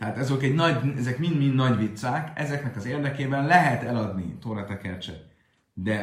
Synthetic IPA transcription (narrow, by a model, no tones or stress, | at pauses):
t̪ɛɦaːt̪ɒzokɛɟnɒɟɛzɛkmind̪mind̪nɒɟʋit̪saːkɛzɛknɛkɒzeːrd̪ɛkeːbɛnlɛɦɛt̪ɛlɒd̪nḭt̪oːɾɒt̪ɛkɛrt͡ʃɛ̰t̪̚ | d̪ɛ